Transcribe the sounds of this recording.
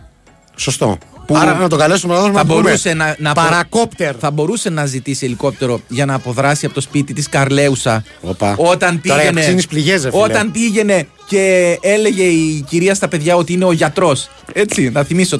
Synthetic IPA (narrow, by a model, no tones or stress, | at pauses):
sost̪o̰puɐɾɐnɐt̪okɐlest̪omlɐðozmɐbo̞ɾuse̞nɐnɐːpɐɾɐkopt̪eɾθɐbo̞ɾuse̞nɐzit̪isieliko̞p̚t̪e̞ɾo̞ʝɐnɐːpo̞ðɾɐsiɐpo̞t̪o̞spit̪it̪iskɐɾle̞usɐ | opɐo̞t̪ɐnt̪iɐeneinispliʝes̬eo̞t̪ɐnt̪iʝe̞ne̞ | ce̞ele̞ʝe̞iciɾiɐst̪ɐpe̞ðʝɐo̞t̪iine̞o̞ʝɐt̪ɾo̞s | e̞t͡sinɐθimiso